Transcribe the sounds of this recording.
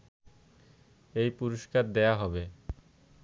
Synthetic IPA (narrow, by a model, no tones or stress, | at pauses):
ejpuɾoʃkaɾd̪eaɦɔbe